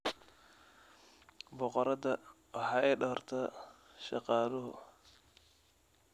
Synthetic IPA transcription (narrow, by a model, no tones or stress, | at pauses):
bɔqɔɾɐdɐ | wɑħɑːɛːɖɐrt̪ʰɐ | ʃɑ̰qɑːlɔɦʊ̰